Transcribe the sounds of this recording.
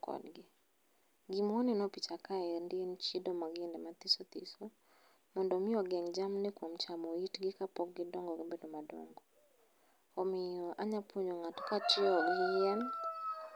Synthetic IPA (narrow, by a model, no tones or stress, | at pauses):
kɔ̰dɡɪ | ɡimɔninɔpit͡ʃakaɛndiɛnt͡ʃidɔmaɡɪndɛmat̪isɔt̪ḭsɔ | mɔndɔmiɔɡɛŋd͡ʒamnɪkwɔm̩t͡ʃamɔitɡɪkapɔk̚ɡɪdɔŋɡɔɡibɛdɔmadɔ̰ŋɡɔ | ɔmiɔʔaɲapʰuɲɔŋatkat͡ʃiɔɡiɛn